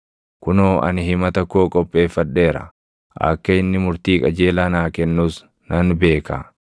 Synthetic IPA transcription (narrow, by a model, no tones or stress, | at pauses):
kʊnoːʔɐ̰nɦɪmɐt̪ɐkːoːkʼɔpʼːe̞ːfːɐᶑ̪ːe̞ːɾɐ̰ | ʔɐ̰kːɐɪnːɪmʊɾt̪iːkʼɐd͡ʒeːlaːnaːkɛnːuːs | nɐnbe̞ːka̰